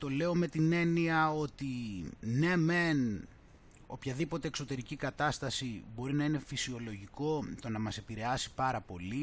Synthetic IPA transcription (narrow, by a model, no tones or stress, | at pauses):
t̪o̞le̞o̞me̞t̪ine̞niɐo̞t̪ine̞men | o̞pçɐðipo̞t̪e̞ːkso̞t̪e̞ɾicikɐt̪ɐst̪ɐsibo̞ɾinɐine̞fisio̞lo̞ʝiko̞t̪o̞nɐmɐse̞piɾe̞ɐsi̥pɐɾɐpo̞li